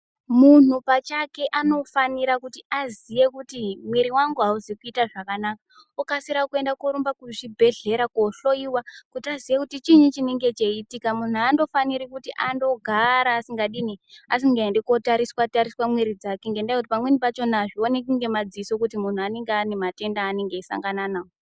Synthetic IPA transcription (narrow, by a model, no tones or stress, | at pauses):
mun̤upat͡ʃake̞ʔano̞faniɾakutiʔazije̞kutimwiɾiwaŋɡuɦauziikuitaʐakanaka | ukasiɾakue̞ndakoɾumbakuʐibʱe̞ɮe̞ɾakoɬo̞iwakutiazijekutit͡ʃiɲit͡ʃineŋɡe̞t͡ʃeitikamun̤uando̞faniɾikutiʔando̞ɡʱaɾaːsiŋɡaɗinia̰siɡeendekotaɾiswataɾiswamwiɾid͡zakeŋɡendaikutipamwenipat͡ʃo̞naʐionekuŋɡe̞mad͡ziiso̞kutimun̤uane̞ŋɡeanemate̞ndaːneŋɡeisa̰ŋɡananao